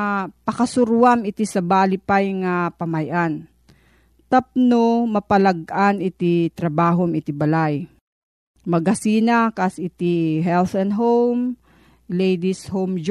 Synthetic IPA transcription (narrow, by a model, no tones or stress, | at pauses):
pɐkɐsʊɾwamɪt̪isɐbaːlɪpajŋapɐmajʔan | t̪ɐp̚nomɐpɐlɐɡʔanɪt̪it̪ɾɐbaːɦomɪt̪ibɐlaj | mɐɡɐsiːnakasɪt̪iɦɛlθɔnɦowm | lɛjd̪ishomd͡ʒ